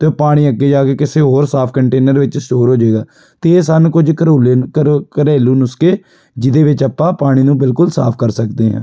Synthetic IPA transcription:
t̪eːpaːɽ̃iːəɡːeːd͡ʒaːkeːkɪseːɦoːɾsaːpʰkəɳʈeːnəɾʋɪt͡ʃsʈoːɾɦoːd͡ʒeːɡaː | t̪eːeːsanːkʊd͡ʒkəɾoːleːkəɾeːluːnʊskeː | d͡ʒɪd̪eːʋɪt͡ʃəpːãːpaːɽ̃iːnũːbɪlkʊlsa̰ːpʰkəɾsəkd̪eːɦɛ̰̃ː

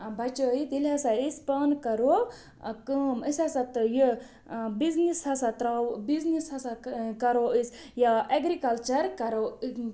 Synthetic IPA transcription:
bʱɐt͡ʃoit̪ilɦɐsaispɐnkɐɾo | kəməsʲasat̪ɨjə | biznishɐsat̪ɾawbiznishɐsakɐɾoisʲ | jaʔeɡɾikɐlt͡ʃɐɾkɐɾo

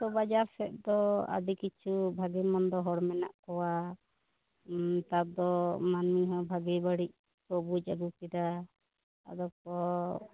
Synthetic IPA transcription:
t̪ɔbad͡ʒaɾsɛʔ̪̚d̪ɔa̰d̪ikit͡ʃʰubʱaɡimɔnd̪ɔɦɔɽmɛna̰ʔkɔwa | t̪ab̚d̪ɔmanmiɦɔ̃bʱaɡibaɽiʔ̚ | pobud͡ʒaɡukid̪a | a̰d̪ɔk̚ɔ

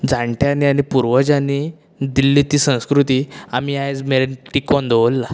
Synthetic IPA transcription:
d͡zãɳʈʰjanianipuɾʋəd͡ʑani | d̪ilːit̪iːsə̃w̃skɾut̪iːamiːajd͡zmeɭenʈikɔnd̪ʱɔʋlːa

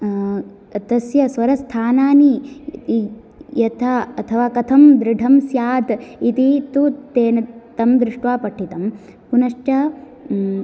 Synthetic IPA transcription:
ɐt̪ɐsjɐsʋɐɾɐst̪ʰaːnaːnii | jɐt̪ʰaɐt̪ʰɐʋaːkɐt̪ʰɐmd̪ɾɪɖʱɐmsjaːd̪it̪it̪ut̪eːnɐt̪ɐmd̪ɾɪʂʈʋaːpɐʈʰːit̪ɐm | punɐʂt͡ʃɐ

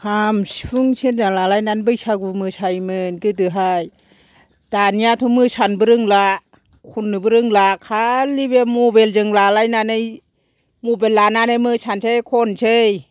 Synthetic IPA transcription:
kʰamsfʰuŋsind͡ʒaŋlalajnanbɯjsaɡumɯsʰajmɯnkɯtɯɦaj | d̥anijatʰumɯsʰanbɯɾɯŋla | kʰunːɯbɯɾɯŋlakʰalibemobeld͡ʒɯŋlalajnanɯj | mubenlananajmɯsʰansʰejkʰɔnt͡ʃʰej

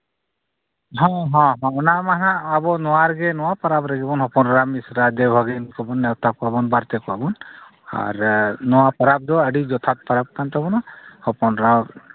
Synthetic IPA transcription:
ɦɔ̃ɦɔ̃ɦɔ̃ɔnamanãːbɔnɔwaɾɡɛnɔwapaɾabɾaɡɛbɔnɦɔpɔnɾamisɾad̪ebʱɔɡinkɔbɔnːɛwt̪akabɔnbaɾt̪ɛkuabɔn | a̰ɾnɔwapaɾab̚d̪ɔəɖid͡ʒɔt̪ʰat̪̚paɾab̚kant̪ɔbɔnahɔpɔnɾa

